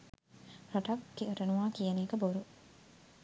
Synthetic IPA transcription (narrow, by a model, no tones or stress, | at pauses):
pɾoʈɐkkioɾənuʋaːkijɐneːkəboɾu